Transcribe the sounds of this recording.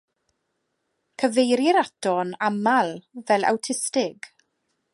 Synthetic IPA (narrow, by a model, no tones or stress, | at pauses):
kʰəvejɾɪɾad̥ɔnamalˠvɛlˠa̰wtʰɪstɪɡ̥